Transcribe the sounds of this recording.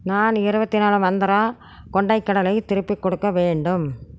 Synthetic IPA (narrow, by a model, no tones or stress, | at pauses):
naːnɪɾɯbɐt̪ːɪnaːlɯmɐnd̪ɐɾaː | kɔɳɖɐɪkːɐɽɐlɐɪt̪ɪɾɯpːɪkːɔɽɯkːɐʋeːɳɖɯm